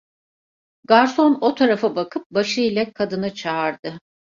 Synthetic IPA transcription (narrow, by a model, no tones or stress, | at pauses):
ɡaɾso̞no̞t̪ʰaɾafabakʰɯp̚baʃɯjlʲakʰad̪ɯnɯt͡ʃʰaːɾd̪ɯ